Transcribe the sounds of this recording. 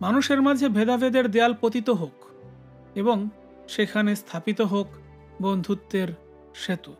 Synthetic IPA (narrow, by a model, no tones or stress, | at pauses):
manuʃeɾmad͡ʑʱebʱed̪abed̪eɾd̪ealpot̪it̪oɦok | eboŋ | ʃekʰanest̪ʰapit̪oɦok | bond̪ʱut̪ːeɾ | ʃet̪u